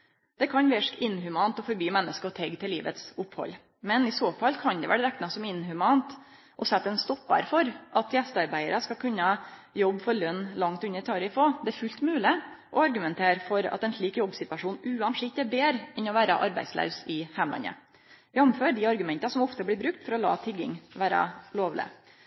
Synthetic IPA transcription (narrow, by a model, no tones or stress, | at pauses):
d̪̥ɛkʰɑnʋɪʂkɪnɦʉmɑːnt̪ɔfɔɾbyːmɛnːəskəɔt̪ʰɛɡt̪ʰɪlːiːʋə̰t̪sʊphɔ̰lː | mɛnɪsoːfɑlːkʰɑnd̪ɛʋæ̰ɾəɾæknɑsɔmɪnɦʉmɑnt̪ | ʔɔsɛt̪ːɛnst̪ɔpːɑ̰ɾfɔɾʔɑt̪jɛst̪ɑɾbæɪəɾəskɑkʰʉnːəjɔbːfɔɾlœnːlɑŋt̪ʉnːəɾt̪ʰɑːɾɪfoːd̪ɛæɾfʉlt̪mʉːlɪ | ʔɔɑɾɡʉmɛnt̪ʰeːɾfɔɾɑ̰t̪ɛnʂɭiːkjɔbːsɪt̪ʋɑʂuːnʉːɑnʂɪk̚t̪ɛɾbeːɾɛnɔʋæːɾə̰ʔɑ̰ɾbæ̰ɪslɑ̰ʉsɪhæmlɑ̰nə̰ | ʋɪɔmmføːɖɪɑɾɡʉmɛnt̪ɑsɔmɔft̪əblɪːɾbɾʉk̚t̪fɔɾɔlɑ̰ːt̪ʰɪɡːɪŋʋæːɾə̰loːʋlɪ̰